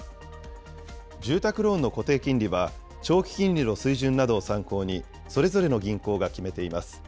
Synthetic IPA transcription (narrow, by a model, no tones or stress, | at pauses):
d͡ʑɨːt̪akɯ̟ɾo̞ːnːo̞ko̞t̪e̞ːkʲĩɲʲɾʲiβa | t͡ɕo̞ːkʲi̥kʲĩnʲɾʲino̞sɨiʑɨ̃nːad̪o̞ːsãŋko̞ːɲ̟i | so̞ɾe̞zo̞ɾe̞no̞ɡʲĩŋko̞ːɡakʲime̞t̪e̞imasɨ̥